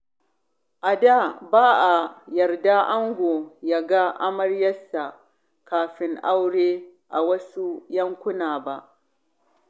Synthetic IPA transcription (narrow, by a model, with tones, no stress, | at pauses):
ʔa˨da˦baː˦ʔa˨jɐ˨rda˦ʔa˦ŋɡʷo˨ja˨ɡa˦ʔa˦mɐ˦rjɐ˦sa˨ | kaː˨ɸɪ˦ŋʔa˦wɽeː˦ʔa˨wɐ˦su˦jɐ˦ŋkʷʊ˦naː˨ba˦ʔ